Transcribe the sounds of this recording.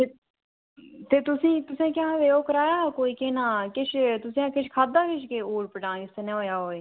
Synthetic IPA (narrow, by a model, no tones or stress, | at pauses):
e | t̪eːt̪ʊsĩːt̪ʊsẽːkjãːʋeːoːkəɾaːjaːkoːiːkeːnãːkɪʃʰt̪ʊsĩːãːkɪʃkʰaːd̪aːkɪʃkeːoːɽpəʈãːɪst̪eːnẽːɦoːjaːɦoːeː